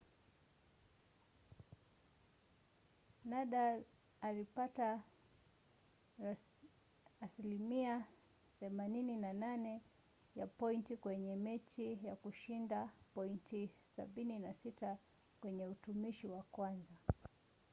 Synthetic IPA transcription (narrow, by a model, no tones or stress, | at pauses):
naɗaː | lipata | silimia | θɛmanininananɛ | japɔintikwɛɲɛmɛt͡ʃijakuʃindapɔintisa̰ɓininasita | kwɛɲɛutumiʃiwakwanza